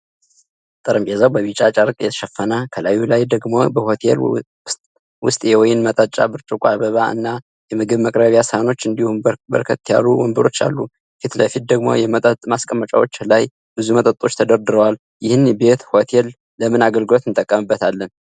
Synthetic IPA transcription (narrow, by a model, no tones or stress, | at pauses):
t̪ʼɨɾɨmbjɛzawbəβit͡ʃʼat͡ʃʼaɾkʼjɛt̪ʰə̥ʃəfːənakʰəlajːulajd̪əɡmo̞̰bəhot̪ʰḛl | wʊst̪ʼjewɔjɪnmət̪ʼət͡ʃʼːa̰bɨɾt͡ʃʼukʷʼaβəβaɨ̰nːa | jɛmɨɡɨβməkʼɾəβjasano̞t͡ʃːɨnd̪ihunbə̰ɾkʰət̪ːija̰luwɔmbɨɾo̞t͡ʃːa̰lːu | fit̪ləfit̪̚d̪əɡmo̞̰jɛmət̪ʼət̪ʼmaskʼəmːət͡ʃʼa̰wo̞t͡ʃːlaj | b̥ɨzumət̪ʼət̪ʼo̞t͡ʃːt̪ʰəd̪əɾd̪ɨɾəwal | jɪhɨnbe̞t̪ho̞t̪ʰelː | əmɨnaɡəlɡɨlo̞t̪ɨnt̪ʼəkʼːəmɨbːət̪ʰalːən